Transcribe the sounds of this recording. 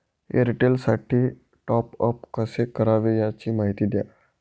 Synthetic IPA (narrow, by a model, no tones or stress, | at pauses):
ḛɾiʈelsaʈʰiː | ʈɔpəp̚kəsekəɾaʋejat͡ɕiːmaɦit̪iːd̪ja̰